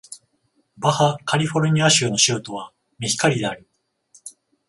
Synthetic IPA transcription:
bahakaɾʲiɸo̞ɾɯ̟ɲ̟iaɕɨɯːno̞ɕɨɯt̪o̞β̞a | mʲiçi̥kaɾʲid̪e̞aɾʲi

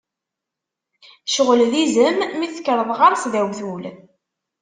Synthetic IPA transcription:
ʃəʁəllizəmːiθə̥kːəɾˤəðˤʁaɾˤsðæwθul

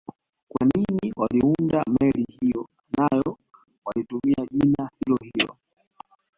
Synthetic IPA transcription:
kwa̰niniwʔaliundamɛlihijɔ | najɔ | walitumiaʄinahilɔhijɔ̰

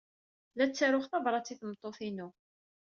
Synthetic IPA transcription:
læt͡sːaɾʊχθɑvɾˤɑt͡sːiθmət̪ˤːoθinu

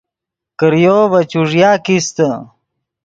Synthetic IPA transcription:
kəɾjoːbɐt͡ɕuʐjaːkist̪ə

